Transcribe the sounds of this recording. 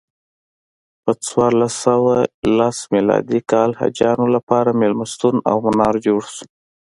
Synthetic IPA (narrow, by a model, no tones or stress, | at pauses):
pət͡swɑɾlasawalasmilɑ̰d̪ikɑlha̰d͡ʒɑnolapɑɾamɪlmast̪una̰wmanɑɾd͡ʒoɽsu̥